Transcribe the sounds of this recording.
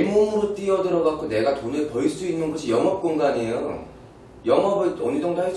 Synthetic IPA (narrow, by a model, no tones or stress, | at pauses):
mːomɯɾot͈iʌdɯɾʌɡak͈one̞ɡatonepʌiɭs͈uinːɯnɡʌɕʰijʌŋʌp̚k͈oŋɡaɲejo | jʌŋʌbɯɭʌnidoŋdʰaɦe